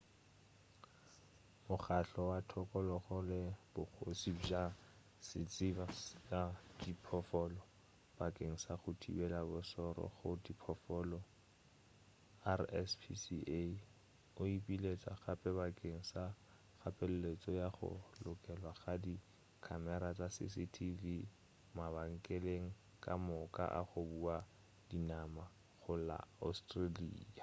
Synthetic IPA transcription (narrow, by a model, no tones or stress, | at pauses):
mʊχaɬɔwatʰɔkʼɔlɔχʊlɪb̥ʊk͡xosid͡ʒa | sɪt͡sʼibasjadipʰɔfɔlɔ | b̥akʼeŋ̩saχʊtʰḭbɛlabʊsɔɾɔ̰χʊdipʰɔfɔlɔ | arɛspʰḭsiʔe | ʊipʼilet͡sʼaχapʼɛbakʼeŋ̩sa | χapʼɛlʊlet͡sʼɔjaχʊ̰lʊkʼɛlwaχadi | kʰamɛɾat͡sʼasɪ̰sɪtʰilɪ | mabaŋ̩kʼeleŋ̩ | kʼamʊkʼa̰ʔaχʊbua | dinama | χʊla̰ɔ̰stʼralḭːa